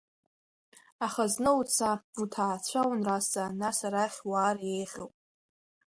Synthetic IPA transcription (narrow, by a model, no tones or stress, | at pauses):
aχaznɨut͡sʰautʰaːt͡ɕʷʰawnrasanasaɾaχʲwaːrjejʁʲowpʼ